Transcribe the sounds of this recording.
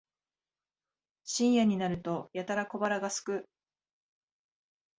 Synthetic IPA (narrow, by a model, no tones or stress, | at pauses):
ɕĩɰ̃jaɲ̟inaɾɯ̟t̪o̞jat̪aɾako̞baɾaɡasɨ̥kɯ̟